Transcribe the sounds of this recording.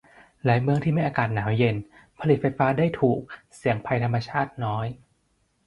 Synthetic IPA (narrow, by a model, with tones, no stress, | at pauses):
laː˨˩˦jmɯ˧əŋt̪ʰiː˥˩a˧˥˩jʔaː˧kaː˨˩t̪̚naː˩˦wje˧n | pʰa˧li˨˩t̪̚fa˧jfaː˦˥daː˥˩jt̪ʰuː˨˩k̚ | si˩˦əŋpʰa˧jt̪ʰmːa˧t͡ɕʰaː˥˩t̪̚nɔː˦˥j